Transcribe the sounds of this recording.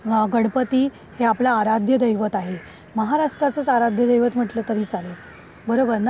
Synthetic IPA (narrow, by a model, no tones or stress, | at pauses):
ɡəɽpət̪iː | heaplaːɾad̪ʱjəd̪əjʋət̪aɦe | məɦaɾaʂʈɾat͡sət͡saɾad̪ʱjəd̪əjʋət̪m̤əʈləːt̪əɾiːt͡sale | bəɾobəɾn